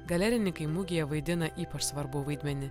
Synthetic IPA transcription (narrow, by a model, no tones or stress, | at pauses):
ɡɐlʲɛɾʲɪnʲɪkɐɪmʊɡʲɪjɛʋɐɪd̪ʲɪnɐʔiːpɐʃsʋɐɾbʊʋɐɪd̪ʲmʲɛnʲɪ